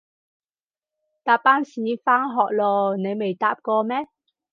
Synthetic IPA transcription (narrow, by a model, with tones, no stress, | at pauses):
t̪aː˨˩pːaː˦˥nsiː˨˥faː˥ŋɦɔː˨˩k̚lɔː˧ne˨˧jme˨jt̪a̰ː˨p̚kɔː˧mɛː˦˥